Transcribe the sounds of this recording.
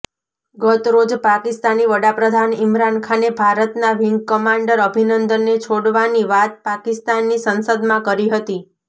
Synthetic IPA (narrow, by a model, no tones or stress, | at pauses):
ɡət̪ɾod͡ʒpakɪst̪aniʋəɽapɾəd̪ʱanɪmɾankʰanebʱaɾət̪naʋɪŋɡkəmãɳɖəɾəbʱinənd̪ənːet͡ʃʰoɽʋaniʋat̪̚pakɪst̪anːisənsəd̪mãkəɾiɦət̪i